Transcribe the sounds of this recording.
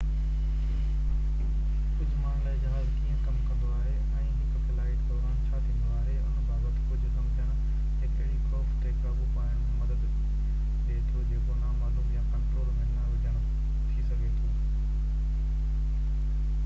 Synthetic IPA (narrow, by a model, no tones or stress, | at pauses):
kʊd͡ʑʱmaːɽ̃laːɪd͡ʑɦaːzkiːə̃kɐmkɐ̃nd̪oaːɦe | ɛ̃ːɦɪkfɪlaːɪʈkɐaːñt͡ɕʰaːt̪ʰĩːn̆d̪oaːɦeʊñsãːlot̪ʰkʊdʱkɐmkəɽ̃ | et̪eɽikɔːfʈeːkabopaːɾɪɽ̃mɐd̪əd̪ | eːt̪ʰod͡ʑeːkonamaːlũːmjãkɐ̃ɳʈɾoːlmẽnɐɾɐd͡ʒʱəɽ̃ʊ | t̪ʰisɐɡʱet̪ʰĩː